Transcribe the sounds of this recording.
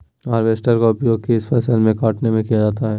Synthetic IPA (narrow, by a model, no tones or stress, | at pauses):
aːɾʋeːsʈəɾkaʊpjoːɡ̚keɪsfʰɛːsəlmẽkaːʈnemẽkijad͡ʒaːt̪aɦɛː